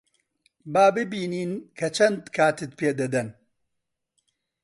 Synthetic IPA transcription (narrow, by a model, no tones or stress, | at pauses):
baːbɨbiːniːnkʰɐt͡ʃʰɐnd̪kʰaːt̪ɨt̪̚pʰeːd̪ɐd̪ɐn